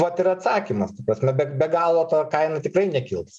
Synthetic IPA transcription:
ʋɐt̪ɪɾɐt̪sɑːkʲimɐst̪ɐpɾɐsʲmʲɛbʲɛbʲɛɡɑːlˠoːt̪oːkɐɪnɐt̪ʲɪkrɐɪnʲɛkʲɪlˠpss

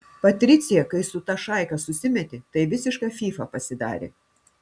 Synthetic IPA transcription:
pɐt̪ʲɾʲɪt̪sʲɪjɛkɐɪsʊt̪ɑːʃɑˑɪkɐsʊsʲɪmʲɛt̪ʲɪt̪ɐɪʋʲɪsʲɪʃkɑːfʲiːfɐpɐsʲɪd̪ɑ̰ːɾʲɪ̰

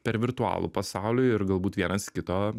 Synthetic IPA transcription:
pʲɛɾʋʲɪɾt̪ʊɑ̰ːlˠṵpɐsɑˑʊlʲʊɪɾɡɐlˠbuːt̪ʋʲiɛnɐskʲɪt̪oː

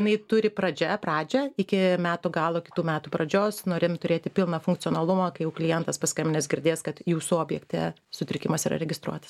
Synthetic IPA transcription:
jnɐɪt̪ʊɾʲɪpɾɐd͡ʒʲɛpɾɑːd͡ʒʲɛɪkʲɪmʲæːt̪uɡɑːlˠuːkʲɪ̥t̪uːmʲæːt̪uːpɾɐd͡ʒʲoːsnoːɾʲeːmt̪ʊɾʲeːt̪ʲɪpʲɪlˠnɐfʊŋkt͡s̪ʲɪoːnɐlˠʊmɑkɐɪjɛʊklʲɪjɛnt̪ɐspɐskɐmʲɪnʲɪsɡʲɪɾʲd̪ʲeːskɐt̪juːsuoːbʲjɛkt̪ʲɛ̰ | sʊt̪ʲɾʲɪkʲɪmɐsiːɾɐ̰ɾʲɛɡʲɪst̪ɾṵɔt̪ɐ̥s

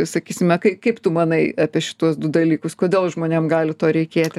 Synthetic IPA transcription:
sɐkʲiːsʲɪmʲɛkɐɪkɐɪpt̪ʊmɐnɐɪɑːpʲɪʃʲɪ̥t̪uɔsd̪ʊd̪ɐlʲiːkʊskoːd̪ʲeːlˠʒmoːnʲeːmɡɑːlʲɪt̪oːɾʲɛɪkʲeːt̪ʲɪ

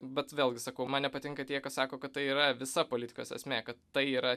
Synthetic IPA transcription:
bʲɛt̪ʋʲeːlˠʲɡʲɪsɐkɐʊmɐnnʲɛpɐt̪ʲɪŋkɐt̪ʲiɛkɐssɑːkoːkɐt̪̚t̪ɐɪiːɾɐʋʲɪsɐpoːlʲɪt̪ʲɪ̥koːsɛ̰sʲmʲekɐt̪t̪ɐɪiːɾɐ

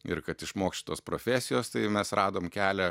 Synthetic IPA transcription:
ɪ̰ɾkɐt̪ɪʃmoːksʲʃʲt͡ʃʲɪ̥t̪oːspɾoːfʲæːsʲɪjoːst̪ɐɪmʲɛsɾɑːd̪oːmkʲæːlʲɛ

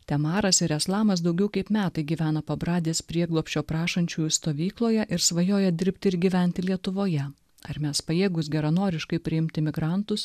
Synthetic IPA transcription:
t̪ʲɛmɑːɾɐsɪɾɛslˠɑːmɐs̬d̪ɒʊɡʲɛʊkɐɪpmʲæːt̪ɐɪɡʲiːʋʲæːnɐpɐbɾɑːd̪ʲeːspʲɾʲiɛɡlˠoːpʲsʲt͡ʃʲoːpɾɑːʃɐnʲt͡ʃʲuːjust̪oːʋʲiːklˠoːjɛʔɪɾsʋɐjoːjɛd̪ʲɪɾʲpʲt̪ʲɪɪɾɡʲiʋʲɛnʲt̪ʲɪlʲiɛt̪ʊʋoːjɛ | ɐ̰ɾmʲɛspɐjeːɡʊs̬ɡʲɛɾɐnoːɾʲɪʃkɐɪpʲɾʲɪɪmʲt̪ʲɪmʲɪɡɾɑˑnt̪ʊs

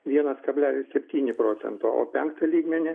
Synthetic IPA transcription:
ʋʲiɛnɐskɐbʲlʲæːlʲɪssʲɛpʲt̪ʲiːnʲɪpɾoːt̪sʲɛ̰nt̪oːo̰ːpʲɛŋkt̪ɐlʲiːɡmʲɛnʲɪ

